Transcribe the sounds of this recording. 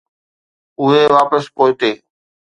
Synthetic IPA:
ʊɦeːʋaːpəspoːɪʈ̪eː

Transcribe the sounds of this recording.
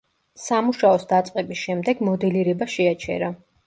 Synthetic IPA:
samuʃaɔsd̪at̪sʼqʼɛbisʃɛmd̪ɛɡmɔd̪ɛliɾɛbaʃɛat͡ʃʰɛ̰ɾa

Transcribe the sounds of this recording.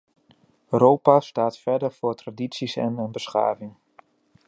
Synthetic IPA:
rowpastaːtfɛɹdəɹvʊːtraditsisɛ̰nənbəsχa̰ːvɪŋ

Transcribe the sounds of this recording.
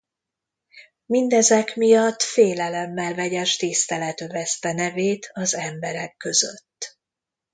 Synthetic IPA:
mind̪ɛzɛkmijɒt̪ːfeːlɛlɛmːɛlvɛɟɛʃt̪ist̪ɛlɛt̪øvɛst̪ɛnɛveːt̪ʰɒzɛmbɛɾɛkːø̞zøt̪ː

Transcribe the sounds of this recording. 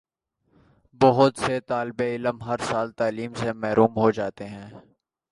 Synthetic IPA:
bɐɦʊt̪set̪aːlbeɪləmɦɐɾsaːlt̪aːliːmsemɛɦɾuːmɦod͡ʒaːt̪eɦɛ̃ː

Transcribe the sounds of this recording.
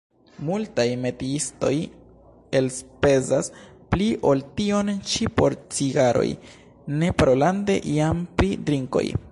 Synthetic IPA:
multajme̞tiisto̞̰j | e̞lspe̞zas | pliʔo̞ltio̞nt͡ʃipo̞ɾt͡siɡaɾo̞̰j | ne̞paɾo̞lande̞̰ʔiampɾidɾiŋko̞̰j

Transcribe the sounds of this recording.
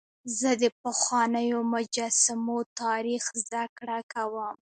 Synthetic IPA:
zəd̪əpəxwɑnəjomʊd͡ʒɑsɪmot̪ɑɾixzd̪akɽakawəm

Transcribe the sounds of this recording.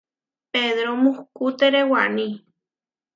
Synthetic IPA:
peðɾomuhkut̪eɾewanĩ

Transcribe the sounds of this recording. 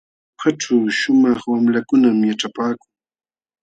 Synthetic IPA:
xaʈ͡ʂawʃʊmɑχwamlakʊnamjaʈ͡ʂapaːkʊŋ

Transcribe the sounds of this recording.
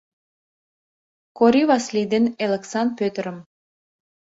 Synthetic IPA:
koɾiβɑslid̪eneleksɑn̚pøt̪əɾəm

